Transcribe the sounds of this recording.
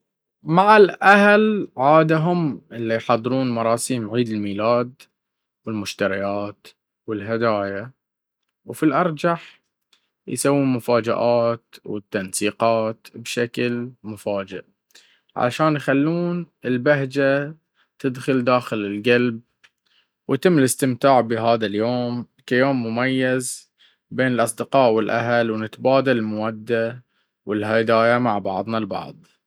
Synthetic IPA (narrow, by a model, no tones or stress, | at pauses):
maʕalʔahlʕaːd̪aɦʊmʔɪlːijħɑd̪ˤːɨɾuːnmɑɾˤɑːsiːmʕiːd̪ɪlmiːlaːd̪ | wɪlmʊʃt̪aɾɪjaːt̪ | wɪlɦad̪aːja | wfilʔɑɾˤd͡ʒaħ | jsawːuːnmʊfaːd͡ʒa̰ʔaːt̪wɪ̰t̪ːansiːqɑːt̪bʃaklmʊfaːd͡ʒɪ̰ʔ | ʕa̰a̰ʃaːnjxalːuːn | ɪlbaɦd͡ʒa | t̪ɪd̪xʊld̪aːxɪlɪlɡalb̚ | wt̪ɪmːlɪst̪ɪmt̪aːʕbɪɦaːðaljoːm | kajoːmːʊmajːaz | beːnɪlʔɑsˤd̪ɪqɑːʔwɪlʔaɦalwnɪt̪baːd̪alɪlmʊwad̪ːa | wɪlɦad̪aːjamaʕbɑ̰ʕðˤnalbɑ̰ʕðˤ